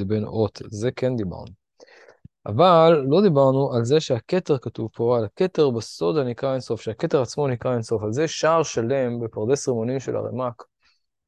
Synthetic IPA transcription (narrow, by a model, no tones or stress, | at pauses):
benʔo̞t̪ze̞ke̞nd̪iba̰ʁnu | ʔa̰valːo̞d̪ibaʁnuʔalzeʃeaket̪e̞ʁkatuvpo̞alaket̪e̞ʁbeso̞d̪anikʁaenso̞fʃeake̞t̪e̞ʁat͡smo̞nikʁaenso̞falzeʃaʁʃale̞mbe̞paʁd̪esʁimonimʃela̰ʁḛmak